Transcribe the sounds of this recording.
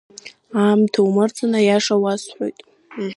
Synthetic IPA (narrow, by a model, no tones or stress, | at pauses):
amtʰawmɨrt͡sʰʼɨnajaʂawasħʷo̰jtʼ